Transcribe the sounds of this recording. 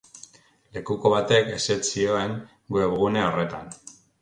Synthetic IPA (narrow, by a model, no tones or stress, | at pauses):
le̞kuko̞βat̪e̞ke̞se̞t͡sio̞eŋ | ɡueβɣuneore̞t̪an